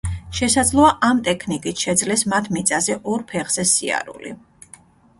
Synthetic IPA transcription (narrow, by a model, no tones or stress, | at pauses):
ʃɛsad̪zlˠɔaʔamt̪ʼɛkʰnikʼit̪ʰʃɛd̪zlɛsmat̪ʰmit̪sʼazɛʔɔɾpʰɛʁz̥ɛsia̰ɾṵlḭ